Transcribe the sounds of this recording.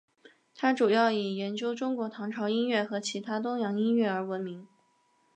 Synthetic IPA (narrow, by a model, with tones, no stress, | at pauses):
t̪ʰa˥ʈ͡ʂu˨˩jɑ˥˩ʊi˨˩jɛ˧˥nt͡ɕjo˥ʊʈ͡ʂʊ˥ŋkwɔ˧˥t̪ʰɑ˧˥ŋʈ͡ʂʰɑ˧˥ʊi˥nɥɛ˥˩xɤ˧˥t͡ɕʰi˧˥t̪ʰa˥t̪̬ʊ˥ŋjɑ˧˥ŋi˥nɥɛ˥˩ə˞˧˥wə˧˥nmi˧˥ŋ